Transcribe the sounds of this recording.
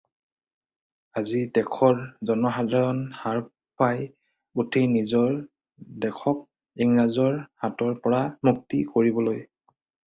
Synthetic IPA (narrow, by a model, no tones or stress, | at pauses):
azidɛkʰɔɹzɔnɔxadʱaɹɔnhaɹ | paj | utʰenizɔɹ | dɛkʰɔk̚ | iŋɹazɔɹhatɔɹpɔɹamuk̚tḭkoɹibɔloj